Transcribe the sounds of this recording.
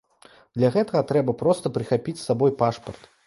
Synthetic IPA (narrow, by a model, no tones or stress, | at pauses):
d̪̥lʲaɣɛt̪ɐɣɐt̪ɾɛbɐpɾɔst̪ɐpɾɨxapʲit͡sʲsabɔjpaʂpɐrt̪